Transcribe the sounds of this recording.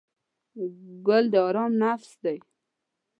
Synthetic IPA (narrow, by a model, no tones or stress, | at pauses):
ɡʊld̪əɑɾɑmnafsd̪aj